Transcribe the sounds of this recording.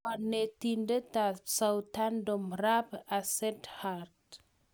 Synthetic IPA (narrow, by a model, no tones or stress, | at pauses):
anetindetasawtandomrapasɛthaɾt